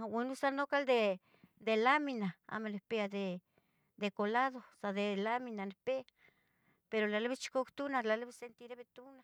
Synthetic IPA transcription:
winusanokald̪e | d̪elaminaa̰melepead̪e | d̪ekolaðosad̪elaminanepe | peɾolalbest͡ʃi̥kokt̪unalaleβesent̪iɾeβet̪una

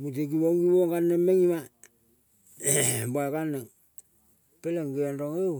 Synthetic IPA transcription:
mut̬ekiβoŋɡiβoŋɡanːemeŋima | bakanːeŋ | peleŋɡeandoŋew

